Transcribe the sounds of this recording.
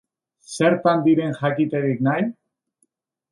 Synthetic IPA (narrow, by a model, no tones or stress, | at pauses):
seɾt̪and̪iɾe̞ŋxakit̪eðiknaj